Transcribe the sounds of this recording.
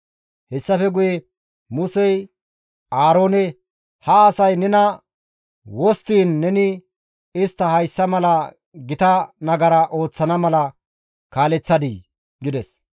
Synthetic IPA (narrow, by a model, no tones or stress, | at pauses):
hɛsːɐfɛɡʊjɛ | mʊsɛj | ʔaːɾo̞ːnɛ | hɐːsɐjnɛnɐ | wɔst̪iːnːɛnɪ | ɪst̪ːɐhɐjsːɐmɐlɐ | ɡɪt̪ɐnɐɡɐɾɐʔo̞ːt͡sːɐnɐmɐlɐ | kaːlɛt͡sːɐd̪i | ɡɪd̪ɛs